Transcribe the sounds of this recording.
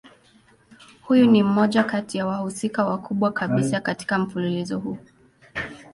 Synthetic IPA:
hujunim̩mɔʄakatijawahusikawakʰuɓwakʰaɓisakati̥kam̩fululizɔhuː

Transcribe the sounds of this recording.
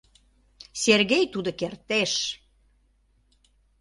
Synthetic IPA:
serɣejt̪ud̪okert̪eʃ

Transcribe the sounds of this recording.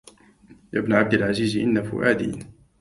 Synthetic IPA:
ja̰ːbnaʕab̚d̪ɪlʕaziːzʔɪnːafʊ̰ʔaːd̪ḭːn

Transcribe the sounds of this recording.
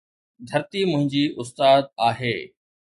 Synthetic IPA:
d̪ʱɐɾt̪imʊ̃ɦɪ̃ɲd͡ʑiːʔʊst̪aːd̪̚aːɦeː

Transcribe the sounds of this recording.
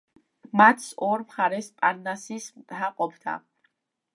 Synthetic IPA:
mat̪ʰsɔɾmχaɾɛspʼaɾnasismt̪ʼhaqʼɔbd̪a̰

